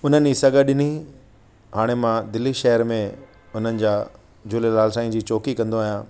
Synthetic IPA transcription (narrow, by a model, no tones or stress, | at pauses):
ʊn̤ənɪd͡ʑsɐɡʱəɗɪni | ɦaːɽ̃emãd̪ɪlːiʃɛɦəɾmẽ | ʊn̤ənɪ̆d͡ʑaː | d͡ʑʊlelaːlsaːĩd͡ʑiːt͡ɕoːkikɐ̃nd̪oaːɦijãː